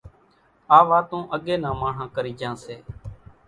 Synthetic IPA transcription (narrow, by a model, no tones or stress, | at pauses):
aːʋaːt̪õːʔəɠeːnãːmãːɳ̤ãːkəɾiːd͡ʒãːseː